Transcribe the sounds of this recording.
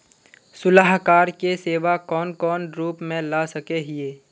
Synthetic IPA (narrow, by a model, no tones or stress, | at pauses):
sʊlaɦkaːɾkeseːʋakɔːnkɔːnɾuːpmẽlaːsɐkeɦɪeː